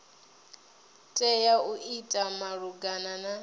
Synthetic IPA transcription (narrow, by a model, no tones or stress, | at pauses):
tʼɛjauʔitʼamaɺuɡanana